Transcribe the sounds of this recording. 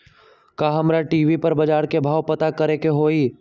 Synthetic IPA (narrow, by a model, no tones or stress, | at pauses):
kaːɦɐmɾaʈiːʋipɐɾbɐd͡ʒaːɾkebʱaːwpɐt̪akɐɾekeɦoːiː